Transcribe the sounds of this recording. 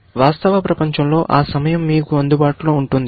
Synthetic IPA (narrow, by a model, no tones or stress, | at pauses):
ʋaːst̪ɐʋɐpɾɐpɐɲt͡ʃɐmlo̞ːʔaːsɐmɐjɐmːiːkuɐnd̪ubaːʈuloːuɳʈund̪i